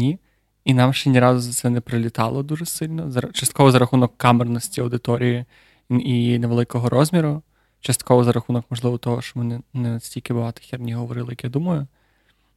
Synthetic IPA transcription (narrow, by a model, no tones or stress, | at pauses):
nʲi | inɑmʃt͡ʃɛnʲiɾɑzʊzɐt̪sɛnɛpɾɪlʲit̪ɑlˠɔd̪uʒɛsɪlʲnɔzɐt͡ʃɐst̪̚kɔʋɔzɐɾɐxunɔkːɑmernɔsʲtʲiɐwd̪ɪt̪ɔɾʲiji | ineʋelˠɪkɔɦɔɾʔɔzʲmʲiɾʊ | t͡ʃɐst̪kɔʋɔzɐɾɐxunɔkmɔʒlˠɪʋɔt̪ɔɦɔʃt͡ʃɔmɪnɪnɛɐsʲtʲilʲkɪbʊɦɑt̪ɪ̥xʲirnʲiɦɔʋɔɾɪlˠɪjɐkjad̪umɐjʊ